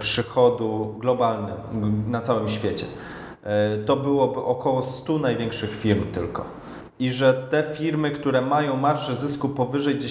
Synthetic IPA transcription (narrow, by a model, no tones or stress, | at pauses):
pʂɘxɔd̪uɡlɔbalnɛnat̪sawɘmɕfʲjet͡ɕɛ̰ | t̪ɔbɘwɔbɘʔɔkɔwɔst̪unajvʲjɛŋkʂɘxfʲiɾmt̪ɘlkɔ̰ | iʐɛt̪ɛfʲiɾmɘkt̪uɾɛmajɔ̃w̃maɾʐɛzɘskupɔvɘʐɛjɡd͡ʑe